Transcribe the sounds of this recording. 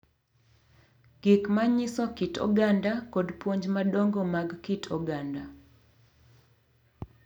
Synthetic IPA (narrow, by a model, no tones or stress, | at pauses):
ɡ̥ɪkmaɲɪsɔkitʰɔ̰ɡandakɔdpwoɲd͡ʒmaɗɔŋɡomaɡkitʰɔɡanda